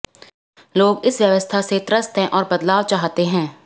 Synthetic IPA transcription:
loːɡɪsʋjəʋəst̪ʰaset̪ɾəst̪ɦɛ̃ʔɔːɾbɐd̪laːʋt͡ʃaːɦt̪eɦɛ̃ː

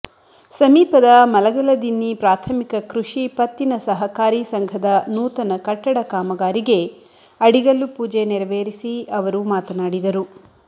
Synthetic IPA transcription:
sɐmiːpɐd̪ɐmɐlɐɡɐlɐd̪inːipɾaːt̪ʰɐmikɐkɾuʂipɐt̪ːinɐsɐɦɐkaːɾiːsɐŋɡʱɐd̪ɐnuːt̪ɐnɐkɐʈːɐɽɐkaːmɐɡaːɾiɡe | ɐɽiɡɐlːupuːd͡ʒeniɾɐʋeːɾisiɐʋɐɾumaːt̪ɐnaːɽid̪ɐɾu

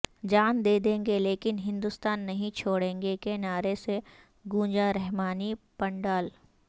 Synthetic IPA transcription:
d͡ʒaːnd̪eːd̪ẽːŋɡeleːkɪnɦɪ̃nd̪ʊst̪aːnːɐɦĩt͡ʃʰoːɽẽːŋɡekenaːɾese | ɡũːd͡ʒaɾɛɦmaːnipɐ̃ɳɖaːl

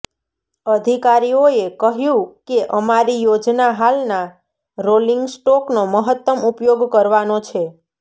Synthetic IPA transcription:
əd̪ʱikaɾioekəɦjũkeʔəmaɾijod͡ʒnaɦalna | ɾoliŋɡsʈoknoməɦət̪ːəmupjoɡkəɾʋanot͡ʃʰe

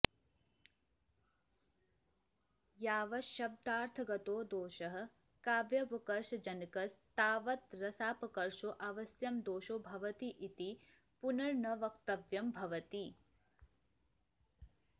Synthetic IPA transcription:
jaːʋɐʃɐb̚d̪aːɾt̪ʰɐɡɐt̪oːd̪oːʃɐɦɐ̆ | kaːʋjɐpɐkɐɾʃɐd͡ʒɐnkɐst̪aːʋɐt̪ɾɐsaːpɐkɐɾʃoʔaʋɐsjɐmd̪oːʃoːbʱɐʋɐt̪iʔit̪i | punɐɾɳɐʋɐkt̪ɐʋjɐmbʱɐʋɐt̪i

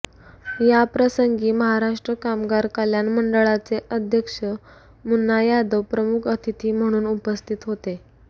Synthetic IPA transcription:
japɾəsəŋɡiːməɦaɾaʂʈɾəkamɡaɾkaljanməɳɖəɭat͡seʔəd̪ʱjəkʂə | munːajad̪əʋpɾəmukʰət̪ʰit̪ʰiːm̤əɽ̃uːnupəst̪ʰiːt̪ɦot̪e

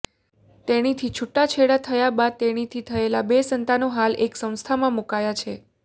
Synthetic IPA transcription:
t̪eɽ̃it̪ʰit͡ʃʰuʈːat͡ʃʰeɽat̪ʰəjabad̪̚t̪eɽ̃it̪ʰit̪ʰəelabesənt̪anoɦalʔeksə̃w̃st̪ʰamãmukajat͡ʃʰe

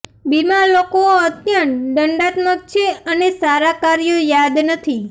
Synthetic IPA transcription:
bimalokooət̪janɖəɳɖat̪nokt͡ʃʰeənesaɾakaɾjojad̪nət̪ʰi

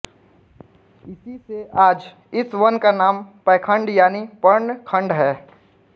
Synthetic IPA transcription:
ɪsiseʔaːd͡ʒ | ɪswɐnkanaːmpɛːkʰə̃ɳɖjaːnipəɾɳkʰə̃ɳɖɦɛː

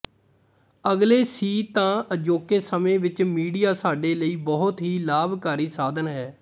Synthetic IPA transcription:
əɡleːsiːt̪ãːəd͡ʒoːkeːsəmẽːʋɪt͡ʃmiːɖijaːsaːɖeːləiːbɔɦʊt̪ɦiːlaːbkaːɾiːsaːd̪ənɦɛː

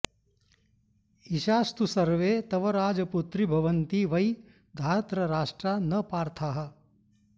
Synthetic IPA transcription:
iʃaːst̪usɐɾʋeːt̪ɐʋɐɾaːd͡ʒɐput̪ɾibʱɐʋɐnt̪iʋɐj | d̪ʱaːɾɐt̪ɾɐɾaːʂʈɾanɐpaːɾt̪ʰaːɦɐ̆

